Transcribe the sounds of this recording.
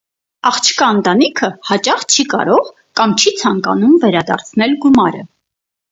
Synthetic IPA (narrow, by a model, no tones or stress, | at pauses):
ɑχt͡ʃʰkɑnt̪ɑnikʰəhɑt͡ʃɑχt͡ʃʰikɑ̰ɾɔʁ | kɑmt͡ʃʰit͡sʰɑŋkɑnumvɛɾɑd̪ɑ̰ɾt͡sʰnɛlɡumɑɾə̰